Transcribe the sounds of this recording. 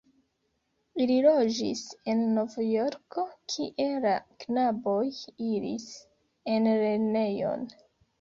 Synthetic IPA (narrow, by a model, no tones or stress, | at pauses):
ililo̞d͡ʒḭse̞nːo̞vjo̞ɾko̞kʰiʔe̞laknabo̞jiɾḭs | e̞nɾe̞ne̞jo̞̰n